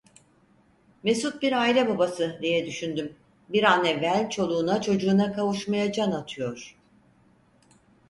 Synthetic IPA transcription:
me̞sut̪̚biɾaːilʲɛbabasɯd̪ijɛd̪yʃynd̪ym | biɾanɛvːælʲt͡ʃʰo̞lˠuːnat͡ʃʰo̞d͡ʒuːnakʰavuʃmajad͡ʒanat̪ʰɯjo̞ɾ̥

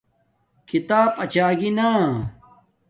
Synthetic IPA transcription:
kit̪aːpɐt͡ɕaːɡina

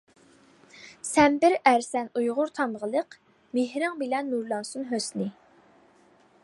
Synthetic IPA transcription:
sɛmbɪɾæɾsɛnujʁʊɾt̪ʰɑmʁəlˠəq | meɦɾɨŋbɪlɛnːuɾlˠɑnsunɦøsnɪ

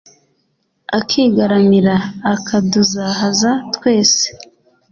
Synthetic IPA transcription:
akʰiɡaɾaniɾaːkʰaduzaːɦazatwe̞ːse̥

